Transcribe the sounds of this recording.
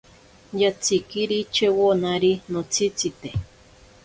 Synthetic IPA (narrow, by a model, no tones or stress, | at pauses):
jat͡sʰikiɾit͡ʃewonaɾinot͡sʰit͡sit̪e